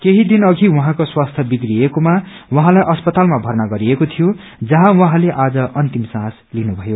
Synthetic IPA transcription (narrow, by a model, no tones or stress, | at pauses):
keɦid̪inʌɡʱiwʌɦãkoswast̪ʰjʌbiɡriekomawʌɦãlajʔʌspʌt̪almabʱʌrnaɡʌɾiekot̪ʰijo | d͡zʌɦãwʌɦãleʔad͡zʌʔʌnt̪imsãslinubʱʌjo